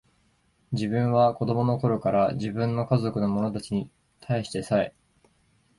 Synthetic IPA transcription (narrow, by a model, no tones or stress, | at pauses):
d͡ʑibɯ̟̃ɰ̃β̞ako̞d̪o̞mo̞no̞ko̞ɾo̞kaɾaʑibɯ̟̃nːo̞kazo̞kɯ̟no̞mo̞no̞t̪at͡ɕiɲ̟i | t̪ʰaiɕi̥t̪e̞sae